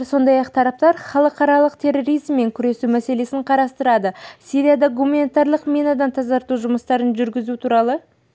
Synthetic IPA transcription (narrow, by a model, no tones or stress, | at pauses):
ɾso̞nd̪ɑjɑqt̪ʰɑɾɑp̚t̪ɑɾχɑlˠəqɑɾɑlˠəqt̪ʰe̞ro̞ɾijzmːe̞ŋkʲʰʏɾe̞sumæse̞le̞sɪɴqʰɑɾɑst̪əɾɑd̪əsiɾʲijad̪ɑɡumanʲet̪arlˠəqmʲinɑd̪ɑnt̪ʰɑzɑɾt̪uʒʊməst̪ɑɾənʒʏɾɡʲɪzut̪ʰuɾɑlˠə